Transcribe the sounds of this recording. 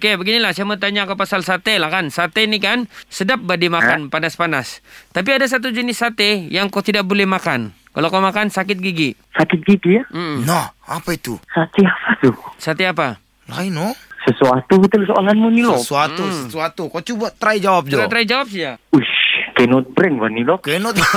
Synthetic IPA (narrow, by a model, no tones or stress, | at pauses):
okebəɡinilahsaamət̪aɲakapasalsat̪elahkansat̪enikansədap̚badimakanpanaspanast̪ap̬iadas̬at̪̬ud͡ʒənɪsːat̪ejaŋkat̪idak̚bolɛhmakan | kalokamakansakɪt̪̚ɡiɡi | sakɪt̪̚ɡiɡijam̩m̩nahapait̪usat̪iapat̪usat̪eapa | la̰inɔsəsuat̪ubət̪ulsoaŋanmunilosuausəsuat̪ukat͡ʃubat̪ɾaid͡ʒawap̚d͡ʒɾat̪ɾaid͡ʒawap̚sid͡ʒauʃkenɔt̪̚bɾɛŋbanilɔkenɔt̪